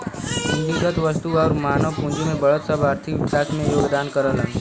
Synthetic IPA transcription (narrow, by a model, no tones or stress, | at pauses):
ɦɪ̃nd̪iɡət̪ʋəst̪uɔːɾmaːnəʋpũːnd͡ʒimẽbɐɭət̪səbaːɾt̪ʰɪkʋɪkaːsmẽjoːɡd̪aːnkəɾələ̃